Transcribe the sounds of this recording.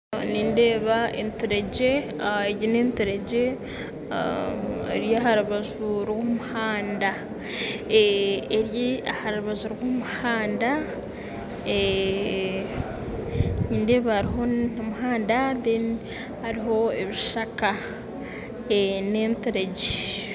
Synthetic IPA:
niːnde̞ːβaḛntuɾeɟe̞ | eɟineːntuɾeɟe | ḛɾjaɦaɾuβaʒuɾɡumuhaːnda | eeɾjiahaɾuβaʒuɾɡumuhaːnda | e | niːnde̞ːβahaɾiɦo̞namuɦaːndaðe | haɾiɦo̞eβiʃaka | eneːnteɾeɟe

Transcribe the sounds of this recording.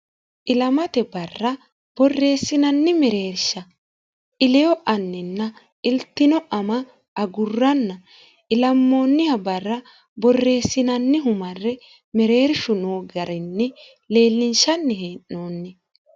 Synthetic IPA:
ʔɪlɐmɐt̪ɛbɐrːɐ | b̥ɔrːe̞ːsːɪnɐnːɪmɛɾe̞ːɾʃɐ | ʔɪlɛjɔʔɐnːɪnːɐ | ɪlt̪ːɪnɔʔɐmɐ | ʔːɡʊrːɐnːɐ | ɪlɐmːo̞ːnːɪhɐbɐrːɐ | bɔrːe̞ːsːɪnɐnːɪɦʊmɐrːɛ | mɛɾe̞ːɾʃʊnoːɡɐɾɪnːɪ | le̞ːlːɪnʃɐnːɪɦeːnːoːnːɪ

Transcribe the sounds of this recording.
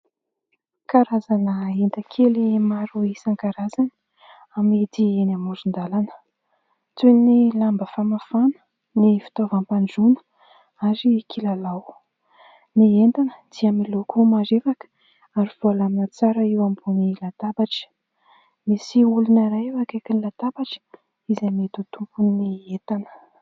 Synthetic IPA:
kaɾazanəent̪əkʰelimaɾuisaŋkaɾazan | amid̪ienamuzund̪alanə̥ | t͡sunilambəfamafanə̥ | nifi̥t̪ovampaɳɖ͡ʐunə̥ | aɾikʰilalaw | nient̪anə̥d̪̥iamilokumaɾevakə̥ | aɾiv̥olaminət͡saɾəiwambunilat̪abaʈ͡ʂə̥ | misiulunaɾaewakakinilat̪abaʈ͡ʂə̥ | izamet̪ut̪umpunːiet̪anə̥

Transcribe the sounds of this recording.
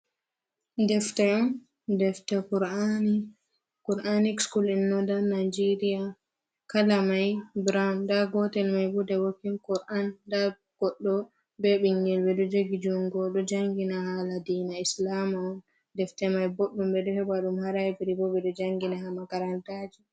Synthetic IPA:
dɛftɛɔn | dɛftɛkuɾani | kuɾʔanikskulinːɔdanajd͡ʒɛɾija | kalamajbɾandaɡɔtɛlmajbudɛwokːinkɔɾʔanda | ɡ̥ɔɗːɔ | bɛɓiŋɡɛlbɛɗɔd͡ʒoɡid͡ʒunɡɔɗɔd͡ʒaŋɡinahaladinaislamaɔn | dɛftɛmajboɗːumbɛɗɔhɛbaɗumhaɾaɛbiɾibɔɓɛɗɔd͡ʒaŋɡinaɦamaɡaɾantad͡ʒi

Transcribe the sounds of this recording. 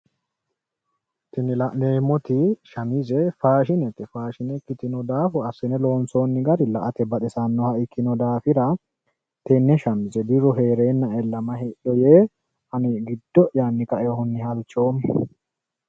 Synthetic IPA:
t̪ɪnɪlɐʔneːmɔt̪ɪʃɐmɪzɛfaːʃɪnɛt̪ːɪfaːʃɪnɛkːɪt̪ɪnɔd̪aːfʊɐsɪnɛloːnsoːnːɪɡɐɾɪlɐʔɐt̪ɛbɐt̪ɛsɐnːɔhɐʔɪkːɪnɔd̪aːfɪɾɐ | t̪enːɛʃɐmɪzɛd̪ɪɾɔɦe̞ːɾe̞ːnːɐɛlːɐmɐhɛʔɔjeː | ɐnɪɡɪd̪ːɔʔjaːnːɪkɐʔehʊnːɪhɐlt͡ʃːo̞ːmɛ

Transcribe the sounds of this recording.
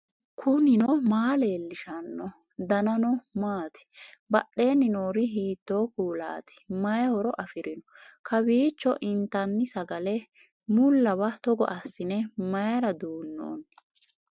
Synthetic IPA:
kʰʊnɪnɔmaːle̞ːlːɪʃɐnːɔ | d̪ɐnɐnɔmaːt̪ɪ̥bɐɗːe̞ːnːɪnoːɾɪɦiːt̪ːo̞ːkuːla̰ːt̪ɪ̥mɐjɛhɔɾɔʔɐfɪɾɪnɔkʰɐbiːt͡ʃːɔʔɪnt̪ɐnːɪsɐɡɐlɛ | mʊlːɐwɐt̪ɔɡɔ̰ʔɐsːɪnɛmɐjɐɾɐd̪uːnːo̰ːn

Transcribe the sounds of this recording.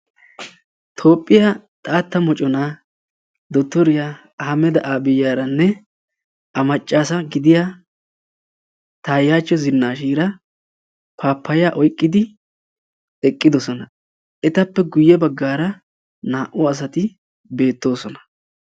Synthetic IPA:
t̪ʰo̞ːpʼːɪjat̪ʼaːt̪ːɐmɔt͡ʃʼɔna | d̪ɔt̪ːɔɾɪja | hɐmɛd̪ɐʔaːbɪjːaːɾɐnːɛ | ɐmɐt͡ʃʼːaːsɐɡɪd̪ɪja | t̪aːjaːt͡ʃːɔzɪnːaːʃiːɾɐ | pʰaːpʰːɐjaːʔɔjkʼːɪd̪ɪ | ɛkʼːɪd̪ɔsɔnɐ | ʔɛt̪ɐpːɛɡʊjːɛbɐɡːaːɾɐ | naːʔʊɐs̬ɐt̪ɪ | be̞ːt̪ːo̞ːsɔnɐ̥

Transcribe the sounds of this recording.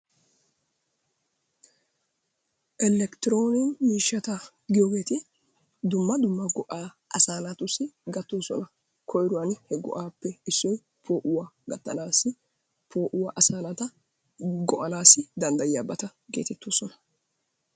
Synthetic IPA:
ʔɛlːɛkt̪ɪɾo̞ːnɪnmiːʃːɐt̪ɐ | ɡɪjo̞ːɡe̞ːt̪ɪ | d̪ʊmːɐd̪ʊmːɐɡɔʔaː | ʔɐsaːlɐt̪ʊsɪɡɐt̪ːoːsɔ̰nɐ | kʰɔjɾʊwɐnhɛɡɔ̰ʔaːpːɛɪsːɔj | pʰo̞ːʔʊwaɡɐt̪ːɐnaːsɪ | pʰo̞ːʔʊwaʔɐsaːnɐt̪ɐ | ɡɔʔɐnaːsɪd̪ɐnd̪ɐjɪjaːbɐt̪ɐɡe̞ːt̪ɛt̪ːo̞ːsɔnɐ̥

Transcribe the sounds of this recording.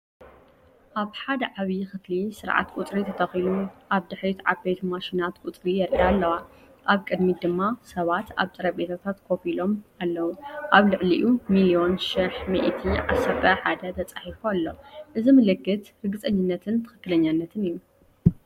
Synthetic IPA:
ʔaβħad̪ɐʕaβijxɨt̪lisɨɾʕa̰t̪kʷʼut̪ʼɾit̪ʰɐt̪ʰɐxiluʔaβd̪ɨħɾit̪ʕa̰bet̪ʰmaʃinat̪kʼut̪ʼɾijɛɾʔialːɐwa | ʔaβkʼɨd̪mid̪ɨmːasɐβat̪ʰa̰βt̪ʼɨɾɐbe̞t̪ʰat̪ʰat̪kʰo̞filo̞malːɐwuʔaβlɨʕliʔumilio̞nʃiħmḭʔt̪ʰiʕasːɐɾt̪ʰɐħad̪ɐt̪ʰɐt͡sʼaħifualːo̞ʔɨzimɨlɨɡːɨt̪ɾɨɡɨt͡sʼɐɲːɨnːɐt̪ʰɨnt̪ʰɨ̥xɨkːɨlɐɲːanːɐt̪ʰɨnijːu

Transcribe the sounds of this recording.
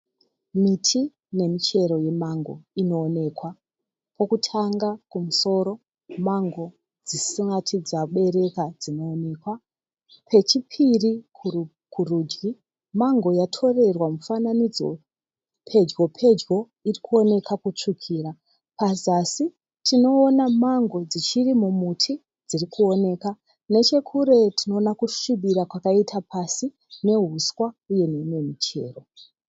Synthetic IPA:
mitʰi | ne̞mit͡ʃe̞ɾo̞je̞maŋɡo̞̰ino̞ːne̞ːkwa | po̞kutʰaŋɡakumuso̞ɾo̞ | maŋɡo̞ | d͡zissiŋɡatʰid͡zaɓe̞ɾe̞kad͡zino̞ːne̞ːkwa | pʰe̞t͡ʃipʰirikʰ | kʰuruːd͡ʒɡi | maŋɡo̞jatʰo̞re̞rwamufananid͡zo̞̰ | pʰe̞d͡ʒɡo̞pʰe̞d͡ʒɡo̞ | irikuo̞ne̞kakut͡ʂukʰiːɾa | pazasi | tʰino̞ːnamaŋɡo̞d͡zit͡ʃirimumutʰi | d͡zirikuo̞ne̞ka | ne̞t͡ʃe̞kʰuɾe̞tʰino̞ːnakuʃiɓiɾakwakaitʰapʰasi | ne̞ɦuswauje̞ne̞ne̞mit͡ʃe̞̰ːro̞

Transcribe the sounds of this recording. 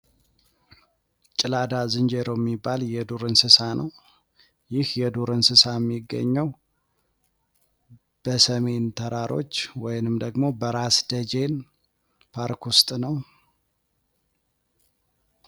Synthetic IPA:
t͡ʃʼɪlad̪azɨnd͡ʒeɾojɛmːibːaljɛd̪oɾɨnsɨsanəw | jɪhjɛd̪uɾɨnsɨsajɛmːiɡːə̰ɲːəw | b̥əsəme̞nt̪ʰəɾaɾʔo̞̰t͡ʃːwɔjnɨmd̪əɡmo̞bəɾasd̪̥əd͡ʒe̞n | pʰaɾkwust̪ʼnəw

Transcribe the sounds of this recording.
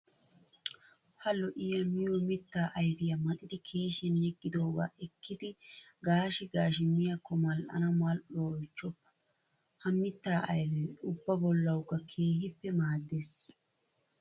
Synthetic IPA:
hɐlːɔʔɪjɐmɪjɔmɪt̪ːaːʔɐjbɪjɐmɐt̪ʼɪd̪ɪkʰe̞ːʃɛnːɛɡʼːɪd̪o̞ːɡa̰ːʔɛkʰːɪd̪ɪɡaːʃɪɡaːʃ̬ɪmːɪjɐkːɔmɐlʔɐ̰nɐmɐlʔojt͡ʃːɔpːɐ̥ | hɐmːɪt̪ːaːʔɐjbɛmʊbːɐbɔlːɐwʊkːɐkʰe̞ːɦɪpːɛmaːd̪ːes

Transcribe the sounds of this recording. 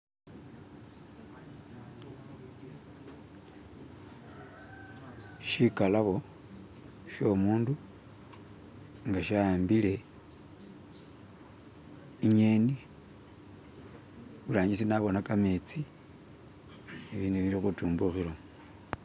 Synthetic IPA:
ʃikalaβo̞ | ʃo̞muːndu | ŋɡaʃaambile̞ | iɲeni | βulaːɲisinaβo̞nakamet͡si | iβiːnuβiɾixutuːmbuxiɾo

